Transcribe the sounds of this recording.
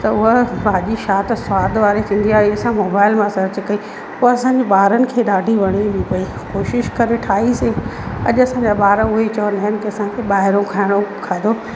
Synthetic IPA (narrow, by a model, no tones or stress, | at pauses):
t̪ɐʊɦəbaːʄiʃaːt̪saːd̪ʋaːɾekʰĩːnd̪iaːɦiɐsãmoːbaːɪlmãsɐɾt͡ɕkɐi | poːɐsãːɲd͡ʑeɓaːɾənɪ̆kʰeːɗaːɖʱiʋɐɽ̃iɗipɐi | koːʃɪʃkɐɾeʈʰaːiseɐ̰ʄʊɐsãːɲd͡ʑaɓaːɾʊɦet͡ɕɐʋənaːɦɪnɪ̆kiɐsãkʰeːɓaːɦɪɾõkʰaːɪɽ̃okʰad̪o